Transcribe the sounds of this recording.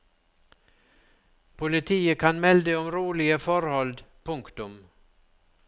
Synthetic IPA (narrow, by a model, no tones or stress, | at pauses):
pʰʊlɪt̪ʰiːəkʰanmɛld̪əɔmɾuːlɪɡəfœɾhɔld̪pʰɵŋkt̪ɵm